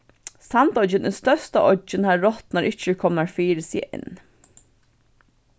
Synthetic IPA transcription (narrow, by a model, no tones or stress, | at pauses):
sɑnt̪ɔd͡ʒənʔɪst̪œst̪əʔɔd͡ʒənhɑːɹːɔt̪nɔɾʔɪt͡ʃəkʰɔməɹfiːɾəsḭːʔɪ̰n